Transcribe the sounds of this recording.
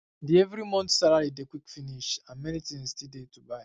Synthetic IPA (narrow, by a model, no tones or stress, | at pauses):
dievɾimɔ̃ntsalaɾidekʷwikfiniʃãmɛɾitĩnstidetubaɪ